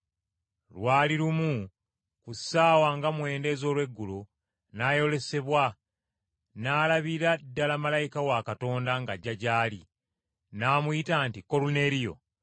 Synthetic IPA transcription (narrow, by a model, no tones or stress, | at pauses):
lwaːliɾumu | kusaːwaŋɡamwe̞ːnde̞ːzo̞ːlwe̞ɡːulo | naːjo̞le̞se̞βwa | naːlaβiɾadːalamalajikawakato̞ːndaŋɡaɟːaɟaːli | naːmujitaːntiko̞lune̞ːɾijo̞̰